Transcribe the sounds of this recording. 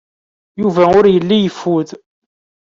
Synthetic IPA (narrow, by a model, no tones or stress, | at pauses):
juvæʊɾjəlːijəfːuð